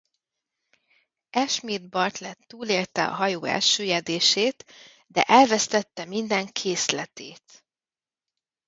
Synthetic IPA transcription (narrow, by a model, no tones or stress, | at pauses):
ɛʃmiːd̪bɒrt̪lɛt̪ːuːleːlt̪ɛɒ̰ɦɒjoːɛ̰lʃøːjɛd̪eːʃeːt̪ | d̪ɛ̰ʔɛlvɛst̪ɛt̪ːɛmind̪ɛŋkʰeːslɛt̪eːt̪